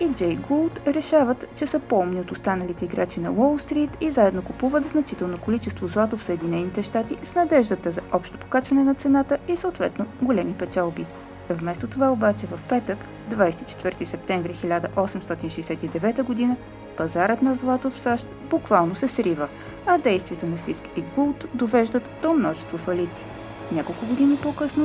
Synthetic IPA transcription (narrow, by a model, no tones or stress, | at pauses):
id͡ʒɛjɡolˠt̪ɾɛʃavət̪t͡ʃɛsəpɔmniot̪ʊst̪anəlit̪ɛiɡɾat͡ʃinɐlɔlˠst̪ɾit̪izaɛd̪nokupuvət̪znɐt͡ʃit̪ɛlˠnokolit͡ʃɛst̪vozlˠat̪ofsəɛd̪inɛnit̪ɛʃt̪at̪isnɐd̪ɛʒd̪ət̪əzɐʔɔpʃt̪o̥po̥kat͡ʃvɐnɛnɐt̪sɛnat̪əisəot̪vɛt̪noɡolɛmipɛt͡ʃalˠbi | vmɛst̪ot̪ovaobat͡ʃɛvɐfpɛt̪ək | d̪vajsɛ̥t̪i̥t͡ʃɛ̥t̪vɤɾt̪isɛp̚t̪ɛɱvɾixilʲad̪əʔɔsɛmst̪ɔt̪inʃɛjsɛt̪id̪ɛvɛt̪əɡʊd̪inə | pɐzaɾət̪nɐzlˠat̪ofsaʃt̪bukvalˠnosɛsɾivə | ɐd̪ɛjst̪viɛt̪ənɐfiskiɡulˠt̪d̪ovɛʒd̪ət̪d̪̥omnɔʒɛst̪vofɐlit̪si̥ | nʲakolˠkʊɡod̪inipokɤsno